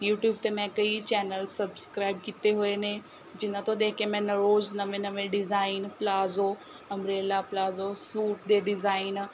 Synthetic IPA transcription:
juːʈjuːb̚t̪emɛ̃kɐit͡ɕɛːnəlsɐbskɾaːɪb̚kɪt̪eɦuenẽ | d͡ʑɪnɐt̪ʰoɗ̪ẽːkẽmɛ̃nɐɾoːznɐʋẽnɐʋẽɖɪzaːɪnplaːzo | ɐmɾeːlaplaːzosuːʈd̪eɖɪzaːɪn

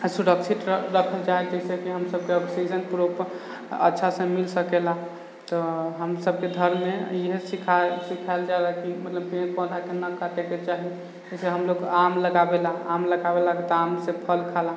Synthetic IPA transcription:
suɽəksʰiʈɾəkʰəld͡ʒaed͡ʒɛsekiɦəmsəb̚keəbsisənpuɾop | ə̰tːʃʰasə̃milsəkela | t̪ɔɦəmsəb̚ked̪ʱəɾmeiɦesikʰasikʰaeld͡ʒalakimət̪ləbpẽkpə̃d̪ʱakenəkaʈeket͡ʃaɦi | d͡ʒɛseɦəmloɡamləɡabelaamləɡabelakit̪amsẽpʰəlkʰala

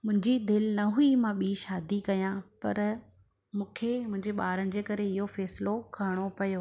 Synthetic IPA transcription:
mʊ̃ɦɪ̃ɲd͡ʑid̪ɪlnɐɦuimãɓiːʃaːd̪ikɐjãːpɐ̰ɾ | mũːkʰemʊ̃ɦɪ̃ɲd͡ʑeɓaːɾənɪ̆d͡ʑeːkɐɾeɪɦofɛːsɪlokʰɐɾɪɽ̃opɐjoː

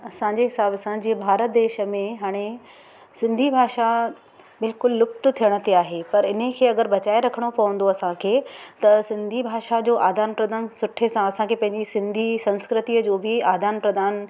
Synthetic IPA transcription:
ɐsãːɲd͡ʑeɦɪsaːbsãd͡ʑiːebʱaːɾət̪̚d̪eːʃə̆mẽɦaːɽ̃e | sɪ̃nd̪ʱibʱaːʃa | bɪlkʊlːʊkt̪t̪ʰijəɽ̃ət̪iaːɦepɐɾɪnəkʰeːɐɡəɾbɐt͡ɕaːeɾɐkʰəɽ̃opɐʋə̃nd̪oɐsãkʰeːt̪ɐsɪ̃nd̪ʱibʱaːʃad͡ʑoːʔaːd̪ʱaːnpɾɐd̪aːnsʊʈʰesãɐsãkʰepɐ̃ɦɪ̃ɲd͡ʑisɪ̃nd̪ʱisɐ̃nskɾɪt̪iːəd͡ʑoːbɪaːd̪ʱaːnpɾɐd̪aːn

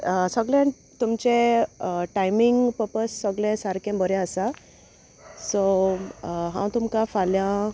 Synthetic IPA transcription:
səɡlɛ̃ | t̪umt͡ɕẽ | ʈajmiŋɡpəɾpəsːəɡlɛ̃saɾkɛ̃bʱəɾjɛ̃əsa | so | ɦã̰w̃t̪umkafalja

